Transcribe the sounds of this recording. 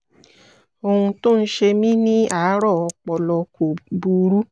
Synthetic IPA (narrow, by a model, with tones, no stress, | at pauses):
o˧hũ˧to˦˧n̩˦ʃe˧mĩ˦nĩ˦a˨˦ɾɔ˦˨ɔ˧k͡pɔ˨lɔ˧ko˨bu˧ɾu˦